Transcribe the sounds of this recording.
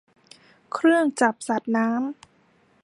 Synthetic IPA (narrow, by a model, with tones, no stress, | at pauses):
kʰɾɯ˥˩əŋt͡ɕa˨˩p̚sa˨˩t̪̚naː˦˥m